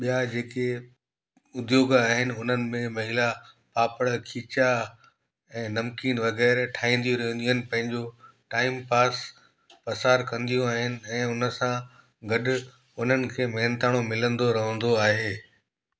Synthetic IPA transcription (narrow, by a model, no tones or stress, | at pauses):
ɓijad͡ʑeːke | ʊd̪joːɡaːɦɪnɪ̆ʊn̤ənɪ̆mẽmɐɦɪla | paːpəɽkʰiːt͡ɕa | ɛ̃ːnɐmkiːnʋɐɣɛːɾʈʰaːɦĩːnd̪ijũɾɐɦə̃nd̪ijɦɪnɪ̆pɐ̃ɦɪ̃ɲd͡ʑoʈaːɪmpaːs | pɐsaːɾkɐ̃nd̪ijũaːɦɪnɪ̆ɛ̃ːʊnə̆sã | ɡɐɗʊ | ʊn̤ənɪ̆kʰeːmɛːnt̪aːɽ̃omɪlə̃nd̪oɾɐɦə̃nd̪oaːɦeː